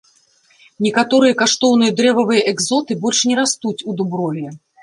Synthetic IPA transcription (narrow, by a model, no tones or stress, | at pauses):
nʲɛkat̪ɔɾɨjɐkaʂt̪ɔwn̪ɨjɐd̪ɾɛvɐvɨjɐʔɛɡzɔt̪ɨbɔlʲʂnʲɛɾast̪ut͡sʲud̪ubɾɔlʲɛ